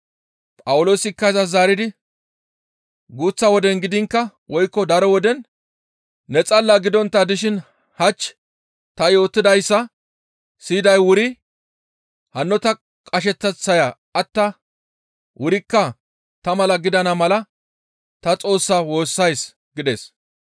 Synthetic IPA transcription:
pʼɐwʊlo̞ːsɪkːɐzɐzaːɾɪd̪ɪ | ɡuːt͡sːɐwɔd̪ɛnɡɪd̪ɪŋkːɐwʔɔjkːɔd̪ɐɾɔwɔd̪ɛn | nɛt͡sʼɐlːaɡɪd̪ɔnt̪ːɐd̪ɪʃɪn | hɐt͡ʃː | t̪ɐjo̞ːt̪ːɪd̪ɐjsːɐ | siːd̪ɐjwʊɾɪ | hɐnːɔt̪ɐ | kʼɐʃ̬ɛt͡sːɛt͡sːɐja | ɐt̪ːɐ | wʔʊɾɪkːɐ | t̪ɐmɐlɐɡɪd̪ɐnɐmɐlɐ | t̪ɐt͡sʼo̞ːsːɐwo̞ːsːɐjs | ɡɪd̪e̞̰ːs

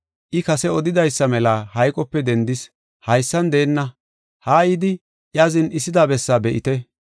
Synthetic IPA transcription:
ʔɪkɐsɛɔd̪ɪd̪ɐjsːɐmɛlaːhɐjkʼɔpːɛd̪ɛnd̪ɪs | hɐjsːɐnd̪e̞ːnːɐ | haːjɪd̪ɪ | ʔjaːzɪnɪsːɪd̪aːbɛsːaːbɛʔɪ̰t̪ɛ

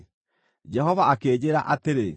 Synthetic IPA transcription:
d͡ʒɛɦɔvaʔakeːd͡ʑeɾa̰ʔateɾe

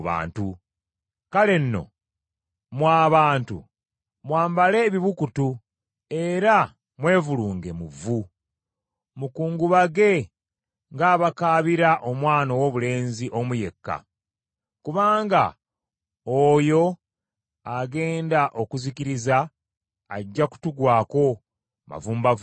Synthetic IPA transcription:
βa̰ːntu | kale̞nːo̞̰ | mwaːβaːntṵ | mwaːmbale̞βiβukutu | e̞ɾa | mwe̞ːvuluːŋɡe̞muvu | mukuːŋɡuβaɡe̞ | ŋɡaːβakaːβiɾaʔo̞mwaːnowo̞βule̞ːnziʔo̞muje̞kːa̰ | kuβaːŋɡa̰ | ojo̞ | aɡe̞ːndaʔo̞kuzikiɾiza̰ː | ɟːaku̥tuɡwaːko̞ | ma̰vuːmbav

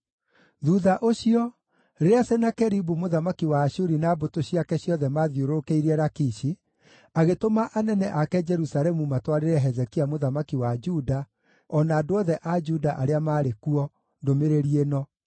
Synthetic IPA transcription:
ðuðaʔoɕiɔ | ɾeɾeasɛnakɛɾibumoðamakiwaːɕuɾinaːbotoɕiakɛɕjɔðɛmaðjoɾokeiɾɛɾakiʃi | aɣetomaʔanɛnɛʔakɛd͡ʒɛɾusaɾɛmumatwaɾeɾɛɦɛzɛkiamoðamakiwad͡ʒuda | ɔnaːdoɔðɛʔad͡ʒudaʔaɾeamaːɾekuɔ | ndomeɾeɾienɔ

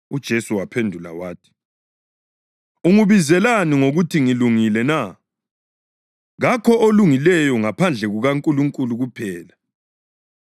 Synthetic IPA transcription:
ud̥ʒ̥ʱesuwapʰendʱula̰waːtʰi̥ | uŋuβizɛlaniŋoɣutʰiŋiluŋilɛna | ɣakʰɔʔoluŋilɛjɔŋapʰand͡ɮʱɛɣuɣaŋkʼuluŋkʼuluɣupʰɛːla

